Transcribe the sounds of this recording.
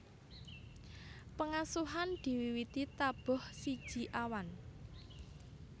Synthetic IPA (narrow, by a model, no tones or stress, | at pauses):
pəŋasuɦand̪̥i̤wiwit̪it̪ab̥ɔ̤hsid̥ʒ̥i̤ʔawan